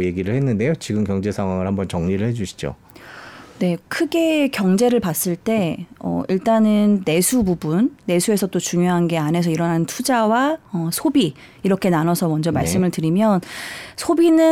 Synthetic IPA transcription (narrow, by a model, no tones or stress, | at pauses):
je̞ɡiɾɯɭhenːɯnde̞jot͡ɕiɡɯmkjʌŋd͡ʑe̞sʰaŋwaŋɯɭhambʌnt͡ɕʌŋɲiɾɯɭhe̞d͡ʑuɕʰi̥d͡ʑo̰ | ne̞kʰɯɡe̞kjʌŋd͡ʑe̞ɾɯɭpas͈ɯɭt͈e̞ʌ̰iɭt͈anɯnːe̞sʰububunːe̞sʰue̞sʰʌt͈ot͡ɕuŋjoɦanɡe̞anɦe̞sʰʌiɾʌnɦanntʰud͡ʑawaʌsʰobiː | ɾʌkʰe̞nanʌsʰʌmʌnd͡ʑʌmaɭs͈ɯmɯɭtɯɾimjʌnsʰobinɯ